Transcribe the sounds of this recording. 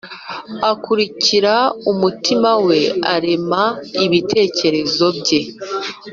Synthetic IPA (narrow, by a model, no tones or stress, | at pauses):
akuɾiciɾaumutimawe̞a̰ɾe̞maiβitʰe̞ːce̞ɾe̞zo̞bɟe̞